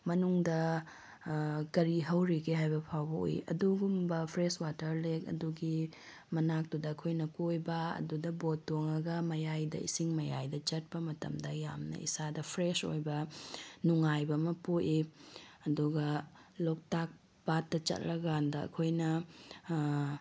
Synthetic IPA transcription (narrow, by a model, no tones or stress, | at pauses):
mɐnuŋdɐ | kɐɾiɦɐwɾikʰeɦajbɐpʰawbɐo̰jḭʔɐ̰duɡumbɐpʰɾeswatɐɾlekɐ̰duɡi | mɐnak̚tudɐːkʰojnɐkojbɐɐ̰dudɐbotːoŋɐɡɐmɐjajdɐ̰isiŋmɐjajdɐt͡ʃɐt̚pɐmɐtɐ̰mdɐjamnɐ̰ḭsadɐpʰɾeso̰jbɐnuŋajbɐmɐpuʔiɐduɡɐ | lok̚tak̚ | patːɐt͡ʃɐ̰t̚lɐɡandɐɐ̰kʰojnɐ